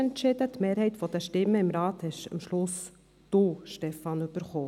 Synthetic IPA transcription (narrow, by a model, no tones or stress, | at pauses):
ɛntt͡ʃɪd̪ət̪meːɾhɛɪt̪fɔd̥̪əʃtɪmːəɪmɾɑːt̪hɛʃɑ̰mʃlʊs | d̪̥oʃtɛfɑnybəɾχoː